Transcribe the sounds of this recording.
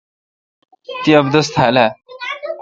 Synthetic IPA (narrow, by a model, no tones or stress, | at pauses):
t̪iəbd̪əst̪ʰala